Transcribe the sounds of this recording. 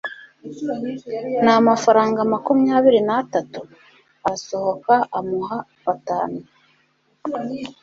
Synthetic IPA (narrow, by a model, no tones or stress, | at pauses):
namafaɾaːŋɡamakumuɲaːβiɾinatatu | aso̞ho̞kaamuɦa | βataːnu